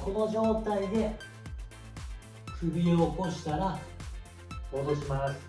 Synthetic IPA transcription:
kʰo̞no̞ʑo̞ːt̪aid̪e̞ | kɯ̟bʲieoko̞ɕi̥t̪aɾa | moːd̪oɕimasɨ̥

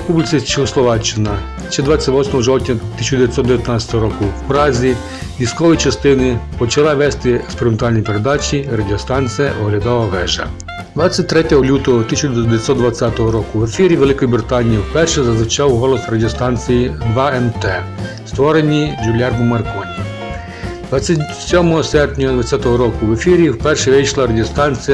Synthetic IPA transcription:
ɾepublʲisʲit͡ʃɪxɔslˠɔʋat͡ʃːɪnɐ | ʃt͡ʃɛd̪ʋat͡sʲːɐtʲʋɔsʲmɔɦɔʒɔwt̪ʲnʲɐt̪ɪsʲd̪ejat̪ʲsɔd̪d̪eʋjɐt̪nasʲɐ̥t̪ɔɦɔɾɔkʊwpɾɑzʲi | ʋʲiskɔʋɔjt͡ʃɐst̪ɪnɪpɔt͡ʃɐlˠaʋɛst̪ɪekspeɾɪment̪ɑlʲnɔjpeɾed̪ɑt͡ʃʲiɾadʲiɔst̪ɑnʲt͡sʲijɛʔɔɦlʲad̪ɑʋɐʋɛʒɐ̰ | d̪ʋɑt͡sʲːɐt̚ʲt̪ɾɛtʲɔɦɔlʲut̪ɔɦɔt̪isʲɐt͡ʃd̪ʲʋʲjet̪ʲsɔtd̪d̪ʋɐt͡sʲːat̪ɔɦɔɾɔkʊʋefʲiɾʲiʋelˠɪkɔjibɾɪt̪ɑnʲijiwpɛrʃɛzɐzʋɪt͡ʃɑwɦɔlˠɔsrɐdʲiɔst̪ɑnʲt͡sʲijid̪ʋɑɛmt̪ɛ | st̪ʋɔɾenʲid͡ʒulʲɑrmʊmɐrkɔnʲi | d̪ʋɑt͡sʲːatʲ | sʲɔmɔɦɔsɛrpnʲɔɦɔd̪ʋɐt͡sʲjat̪ɔɦɔɾɔkʊʋefʲiɾʲiwpɛrʃɛʋɪjʃlˠɐɾɐdʲiɔst̪ɑnʲt͡sʲijɐ

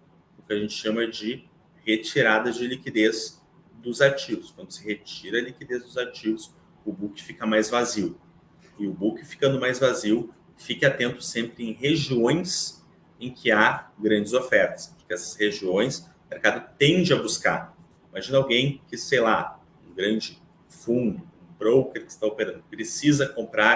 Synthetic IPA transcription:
ʊkɪaʒẽnt͡ʃɪ̥ʃɐ̃mɐɛd͡ʒɪ | het͡ʃiɾad̪ɐzd͡ʒɪlikid̪ez | d̪ʊzat͡ʃivʊskwɐ̃nd̪ʊsɪhet͡ʃiɾɐlikid̪ezd̪ʊzat͡ʃivʊs | ʊbukɪ̥fikɐmajzvaziw | ɪʊbukɪfi̥kɐ̃nd̪ʊmajzvaziw | fikɪat̪ẽnt̪ʊ̥sẽmpɾɪẽj̃ɦeʒiõj̃s | ẽj̃kʰɪaɡɾɐ̃nd͡ʒɪzofɛɾt̪ɐ̥spʊ̥ɾkɪɛsɐ̥sheʒiõj̃s | ʊmeɾkad̪ʊt̪ẽnd͡ʒɪɐbuska̰ɾ | imaʒĩnɐawɡẽj̃kɪsejla | ũɡɾɐ̃nd͡ʒɪ | fũnd̪ʊũbɾowkeɾkɪ̥st̪aopeɾɐ̃nd̪ʊkɪpɾesizɐkõmpɾaɾ

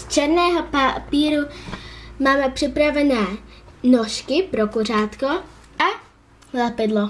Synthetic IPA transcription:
st͡ʃɛɾnɛːɦɔpapiːɾu | maːmɛpr̥ɪpɾavɛnɛːnɔʃkɪpɾɔkuraːt̪kɔ | a | lɛpɛd̪lˠɔ

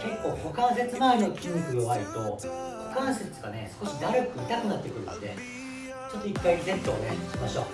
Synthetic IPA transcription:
ke̞kːo̞ːko̞kãnse̞t͡sɨmaeno̞kʲimɯkɯ̟ɡoβait̪o̞ | kokãɰ̃set͡sɨ̥ɡane̞sɨ̥ko̞ɕid̪aɾɯkɯ̟it̪akɯ̟nat̪ːe̞kɯ̟ɾɯ̟nod̪e̞̰ | t͡ɕo̞t̪ːoikːaiizẽ̞nt̪oːeɕimaɕo̞̰

